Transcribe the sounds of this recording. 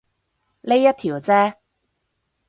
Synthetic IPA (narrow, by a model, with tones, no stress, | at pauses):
le˥jːɐ˥t̪̚ʰiː˨˩wt͡sɛː˥